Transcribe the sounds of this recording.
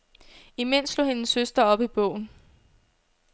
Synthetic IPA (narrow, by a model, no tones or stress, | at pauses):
imen̰slo̝ːhe̝nəsːøsd̥ɐɒ̽b̥ib̥ɔʊ̰n̩